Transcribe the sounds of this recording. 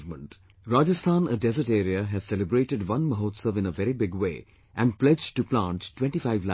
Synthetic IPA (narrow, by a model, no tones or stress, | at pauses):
vmə̃ɳʈ | ɾaːd͡ʒəst̪ʰãːnəɖɛzəɾʈeːɾiəɦæz̥sɛləbɾeːʈɪɖʋʌ̃nməɦoːtsəʋɪ̃nəʋɛɾibɪɡwḛː | ʔæ̃nɖplɛd͡ʒʈːuplãnʈʈwɛ̃ɳʈifaɪʋla